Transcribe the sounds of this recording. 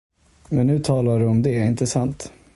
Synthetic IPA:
mɛnːʉ̟ːt̪ʰɑːlaɖɵɔmd̪ɛæɾɪnt̪əsant̪

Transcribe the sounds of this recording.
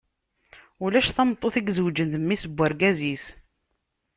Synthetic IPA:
ulæʃθɑmt̪ˤːoθiɡzəwd͡ʒənθəmːisəbʷːəɾɡæzis

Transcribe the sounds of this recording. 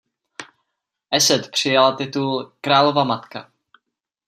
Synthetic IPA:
ʔɛsɛt̪pr̝̥ɪjalat̪ɪt̪ulkɾaːlo̞vamat̪ka̰

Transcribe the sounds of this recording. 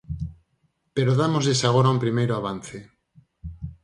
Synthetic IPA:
peɾoðamozðesaɣ̞oɾaumpɾimejɾoaβan̟θe

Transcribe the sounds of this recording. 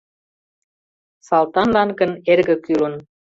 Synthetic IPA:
sɑlt̪ɑnlɑnɡə̆nerɣə̆kylən

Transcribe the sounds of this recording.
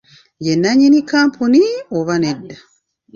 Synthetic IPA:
jenːaɲinikaːmpʰunioβanedːa

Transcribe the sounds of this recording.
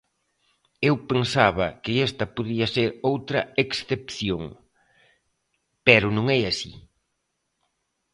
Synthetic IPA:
ewpensaβɐkɪest̪ɐpoðiɐseɾowt̪ɾɐeksθepθjoŋ | pɛɾʊnõŋɛasḭ

